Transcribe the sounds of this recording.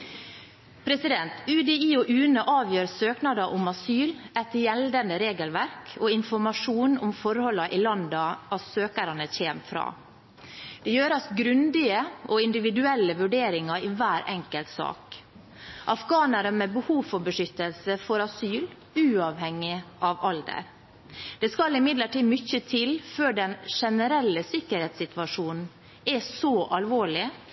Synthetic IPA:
pʰɾɛsɪd̪ɛnt̪ʉd̪ɛiːɔʔʉːnəʔɑːʋjøːɾsøːknɑd̪ɑʔʊmɑsyːlɛt̪jɛld̪ənd̪əɾeːɡəlʋæɾkʰoːɪnfɔɾmɑʂuːnʊ̰mfɔɾhɔlːɑʔɪlɑnd̪ɑʔɑsøːkəɾɑnəçeːmfɾɑ̰ː | d̪̥ɛjøːɾɑsɡɾʉnd̪ɪəʔoɪnd̪ɪʋɪd̪ʉɛlːəʋʉɖeːɾɪŋɑɪʋæːɾɛŋkəlt̪sɑ̰ːk | ʔɑfɡɑːnəɾəmɛbəhuːfɔɾbəʂʏt̪ːəlsəfɔɾɑsyːl | ʉːɑʋhɛŋːɪʔɑʋɑld̪ə̰ɾ | d̪̥ɛskɑlːɪmɪd̪ləʈiːmʏçət̪ʰɪlføːɖɛnʂɛnəɾɛlːəsɪkːəɾheːt̪sɪt̪ʋɑʂuːnn̩ | ɛsɔʔɑlʋoːɭɪ

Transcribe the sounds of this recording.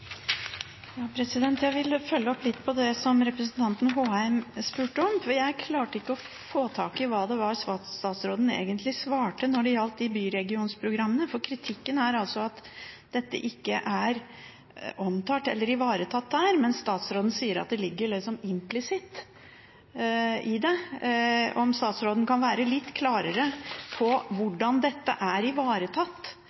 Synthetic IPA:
jɑːpʰɾɛsɪd̪ɛnt̪jæɪʋɪlfœlːəɔplɪt̪ːpʰɔd̪ɛsɔmɾɛpɾəsənt̪ʰɑnt̪n̩ɦoːæɪmspʉːʈəɔmfɔɾjæɪkʰlɑːʈəɪkːəɔ | foːt̪ʰɑːkɪʋɑːd̪ɛʋɑɾsʋɑst̪ɑːt̪sɾoːd̪n̩ḛːɡənt̪lɪsʋɑːʈənɔɖɪjɑlt̪ːɪbyːɾɛɡɪuːnspʰɾʊɡɾɑmːənəfɔɾkʰɾɪt̪ʰɪkːənæɾɑlsɔɑt̪ | d̪̥ɛt̪ːə̰ʔɪkːəʔæɾ | ʔɔmt̪ʰɑt̪ːɛ̰lːəɾɪʋɑːɾət̪ʰɑt̪ːdæːɾmɛnsst̪ɑːt̪sɾoːd̪n̩siːəɾɑt̪̚d̪ɛlɪɡːəɭɪksɔmɪmplɪsɪt̪ː | ɪd̪ɛ | ɔmst̪ɑːt̪sɾoːd̪nkʰɑnʋæːɾəlɪt̪ːkʰlɑːɾəɾəpʰɔʋʊɖɑnd̪ɛt̪ːə̰ʔæɾɪʋɑːɾət̪ʰɑt̪ː

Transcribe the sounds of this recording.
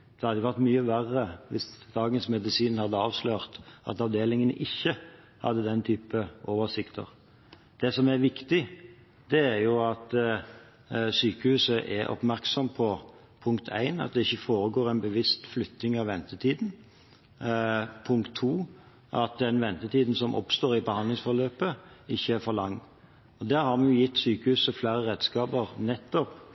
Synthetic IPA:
d̪̥ɛhɑd̪əjʊʋæʁt̪myːəʋærːəʋɪsd̪̥ɑːɡənsmɛd̪ɪsiːnhɑd̪ːəɑːʋsløːʁt̪ʔɑ̰t̪ɑʋd̪eːlɪŋənə̰ʔɪçːə | hɑ̰d̪ːəd̪ɛnt̪ʰyːpəʔoːʋəʁsɪkt̪ʰə̰ʁ | d̪̥ɛsɔmæɾʋɪkt̪ɪ | d̪̥ɛæɾjʊɑt̪ | syːkəhʉːsəʔɛɾʔɔ̰pmæɾksɔmpʰɔ | pʰʊŋkt̪ʰæ̰ɪnɑ̰t̪̚d̪ɛɪçːəfoːɾəɡoːɾæɪnbəʋɪst̪flʏt̪ːnɪŋɑʋɛnt̪ət̪ʰiːd̪n | pʰʊŋkt̪ʰːuː | ʔɑt̪̚d̪ɛnʋɛnt̪ət̪ʰiːd̪n̩sɔmʔɔ̰pst̪oːɾɪbəhɑnlɪŋsfɔɾløːpəɪçːəæfɔɾlɑŋː | ɔd̪æːɾhɑɾmɛnjʊjɪt̪ːsyːkəhʉːsəflæɪɾəɾɛd̪skɑːpəɾnɛt̪ːɔp

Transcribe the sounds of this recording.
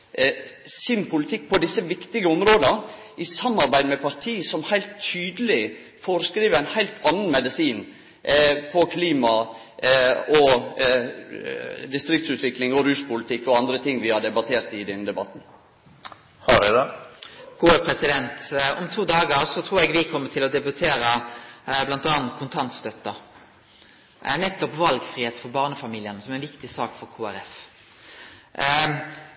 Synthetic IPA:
sɪnpʰʊlɪt̪ʰɪk̚ːpʰɔd̪ɪsːəʋɪkt̪ɪɡəɔmɾoːd̪ə | ɪsɑmːɑɾbæɪd̪mɛpɑɾt̪ʰiːəsɔmhæɪlt̪ʰːyːd̪əl̩ɪ | foːɾəskɾiːʋəɾæɪnhæɪlt̪ʰɑnːənmɛd̪əsiːn | pʰɔkʰliːmɑ | ɔ | d̪ɪst̪ɾɪk̚t̪sʉːt̪ʰʋɪklɪŋɔɾʉːspʊlɪt̪ʰɪkːɔɑnd̪ɾət̪ʰɪŋːʋɪhɑɖ̪ɛbɑt̪ʰeːɾt̪ɪd̪ɛnːəd̪ɛbɑt̪n̩ | hɑɖɛd̪ɛkʰuːəpʰɾɛsɪd̪ɛnt̪ɔmt̪ʰuːd̪ɑːɡəɾsɔt̪ʰɾuːɾɛɡʋɪkʰɔmːət̪ʰɪlɔd̪ɛbʉt̪ʰeːɾə | blɑnt̪ɑːnt̪̚kʰʊnt̪ʰɑnt̪st̪œt̪ːɑ | nɛt̪ːɔpʋɑlɡfʁiːeːt̪fɔɾbɑːʁnəfɑmiːlɪənəsɔmæɪnʋɪkt̪ɪsɑːkfɔɾkʰuːæɾɛf

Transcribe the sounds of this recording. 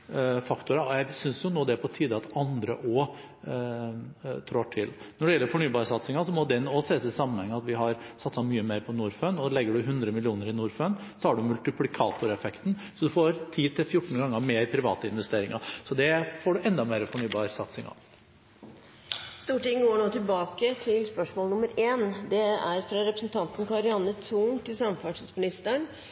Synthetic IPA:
fɑkt̪ʊɾɑɔjæɪsʏnsjʊnuːd̪ɛpʰɔt̪ʰiːd̪əɑt̪ɑnd̪ɾə̰ʔɔː | t̪ʰɾoːʈʰɪlnɔɖɛjɛlːəɾfɔɳyːbɑːɾsɑt̪sɪŋɑsɔmɔd̪ɛnːɔseːsɪsɑmːənhɛŋːəɑt̪ʋɪɦɑɾsɑt̪sɑmyːəmeːɾpʰɔnuːɾføːnɔlɛɡːəɖʉɦʉnd̪ɾəmɪlɪuːnəɾɪnuːɾføːnsɔhɑɖʉmʉlt̪ɪplɪkʰɑːt̪ʊɾɛfɛkt̪nsɔd̪ʉfoːɾt̪ʰiːt̪ʰɪlfjʊʈːɳ̩n̩ɡɑŋːəmɛːpʰɾɪʋɑ̰ːt̪əɪnʋɛst̪eːɾɪŋɑsɔd̪ɛfoːɖʉʔɛnd̪ɑmeːɾəfɔɳyːbɑːɾsɑt̪sɪ̰ŋɑ̰ʋ | st̪uːʈɪŋːɡoːɳoːt̪ʰɪlbɑːkət̪ʰɪlspœʂmoːlnʊməɾʔeːnd̪ɛæɾfɾɑɾɛpɾəsn̩t̪ʰɑnt̪n̩kɑɾɪɑnːət̪ʰuːŋt̪ʰɪlsɑmfɑʈid̪smɪnɪst̪əɳ

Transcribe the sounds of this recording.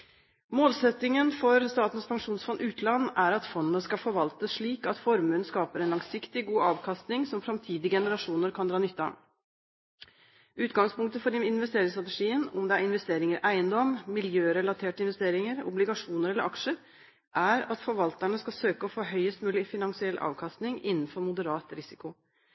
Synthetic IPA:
moːlsɛt̪ːɪŋənfɔɾst̪ɑːt̪n̩spʰɑŋʂuːnsfɔnd̪ʉːt̪lɑnːæɾɑt̪fɔnːnəskɑfɔɾʋɑlt̪əʂɭiːkɑt̪fɔɾmənskɑːpəɾɛnlɑŋsɪkt̪ɪɡuːɑːʋkʰɑst̪nɪŋsɔmfɾɑmt̪ʰiːd̪ɪəɡɛnəɾɑʂuːnəɾkʰɑnd̪ɾɑːnʏt̪ːɑ̰ | ʉːt̪ɡɑŋspʊŋk̚t̪əfɔɾɪnʋɛst̪eːɾɪŋst̪ɾɑt̪ɛʂiːənɔ̰md̪ɛæɾɪnʋɛst̪eːɾɪŋəɾʔæɪənd̪ɔmːɪljøːɾɛlɑt̪ʰeːʈəɪnʋɛst̪eːɾɪŋəɾɔ̰blɪɡɑʂuːnəɾɛlːəɾɑkʂə | ʔæɾɑt̪fɔɾʋɑlt̪æɳəskɑsøːkəɔfoːɦœʏəst̪mʉːlɪfɪnɑŋsɪɛlʔɑ̰ːʋkʰɑst̪nɪŋɪ̰nːn̩fɔɾmʊd̪əɾɑːt̪ɾɪsɪ̥kʊ

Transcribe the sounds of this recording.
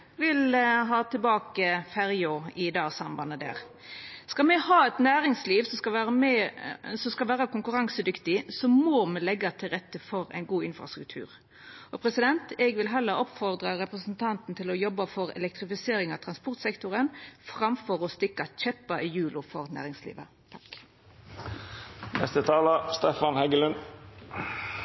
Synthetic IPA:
ʋɪlɦɑːt̪ʰɪlbɑːkəfæɾjoɪd̪ɑːɡsɑmbɑnːəd̪æ̰ːʁ | skɑmɛhɑːɛt̪næːɾɪŋsliːʋsɔskɑʋæːmɛsɔskɑlʋæːɾəkʰʊŋkʉɾɑŋsəd̪ʏkt̪ɪsɔmoːmɛlɛɡːɑt̪ʰɪlʁɛt̪ːəfɔɾæ̰ɪnɡuːɪnfʁɑ̰st̪ɾʉk̚t̪ʰʉ̰ːɾ | ʔɔpʰɾɛsɪd̪ɛnt̪ɛɡʋɪlɦɛlːəɾɔpfɔʁd̪ʁɑɾɛpɾəsn̩t̪ʰɑnt̪n̩t̪ʰɪlɔjɔbːɑfɔɾɛ̰lɛk̚t̪ʁɪfɪseːɾɪŋɑʋt̪ʰʁɑnspɔʁt̪sɛkt̪ʊɾənfɾɑmfɔɾɔst̪ɪkːɑt͡ʃɛpːɑʔɪjʉːlʊfɔʁnæ̰ːɾɪŋslḭːʋə̰ | t̪ʰk | nɛ̰st̪ət̪ʰɑːləst̪ɛfɑnhɛɡəlʉn

